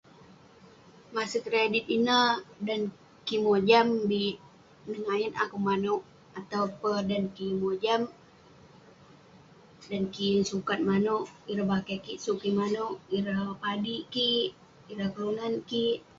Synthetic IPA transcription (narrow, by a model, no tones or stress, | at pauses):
masəkɾedit̪̚inədan | kimod͡ʒambit̪̚ | nəŋajənakumanoʔ | at̪aupədankimod͡ʒam | dankinsukat̪̚manoʔiɾabakakiʔsuʔkimanoʔiɾahpadiʔkiʔ | iɾahkəlunankiʔ